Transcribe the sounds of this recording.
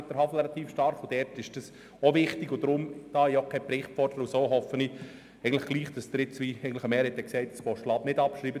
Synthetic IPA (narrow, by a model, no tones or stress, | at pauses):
dəɾɦɑfl̩ɾɛlɑt̪iːfʃtɑɾχod̥ɛɾtɪʃd̥ɑs | oʋɪχt̪ɪɡʊd̥̪ɾʊmd̥ɑːɛiokʰɛpɾɪχtfɔrd̥əɾəʊsoːɦɔfəni | ɛɪɡən̩lə̥χɡ̥liːχd̥ɑsd̪əɾɪt͡sʋiɛɪɡən̩ləχəmɛːɾhɛt̪ːɛksɛɪtskɔʃlɑːbnɪdɑpʃɾiːbə